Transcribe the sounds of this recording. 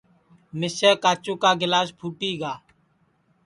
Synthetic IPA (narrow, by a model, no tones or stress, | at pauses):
mɪsəːkaːt͡ʃoːkaːɡɪlaːspʰuːʈiːɡaː